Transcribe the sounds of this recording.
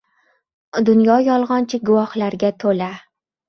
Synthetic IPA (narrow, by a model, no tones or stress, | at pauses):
d̪ʊnjɒjɒlˠʁɒnt͡ʃʰɪɡʊwɒhlaɾɡʲat̪ʰola